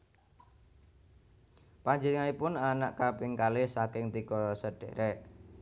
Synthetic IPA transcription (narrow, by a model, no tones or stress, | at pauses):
paɲd͡ʒənəŋanipʊnanaʔkapɪŋkalɪsakɪŋt̪iɡ̥ɔsəɖ̥ḛɾɛʔ